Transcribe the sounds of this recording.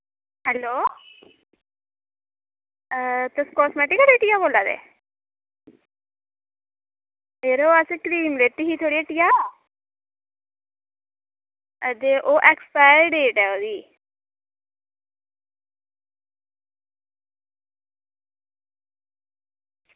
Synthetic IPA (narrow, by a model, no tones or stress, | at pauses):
hɛlo | t̪əskɔsmɛʈikɾeʈijabolad̪ḛ | eɾoəsekɾiːmlet̪ːiɦit̪ʰoɽieʈija | əd̪eʔoʔɛkspajɾɖeːʈɛod̪iː